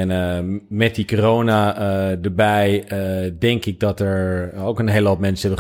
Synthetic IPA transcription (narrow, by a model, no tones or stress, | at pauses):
nmɛt̚dikoroːnadəɹbɛjdɛŋkɪk̚dɔtɛɹowkənɦeːləɔtmɛnsəɛbə